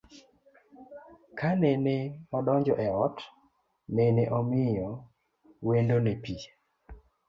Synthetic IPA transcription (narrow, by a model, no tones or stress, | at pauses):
kaneneɔdɔɲd͡ʒɔʔɛɔt | meneʔɔmɪjɔ | wendonepi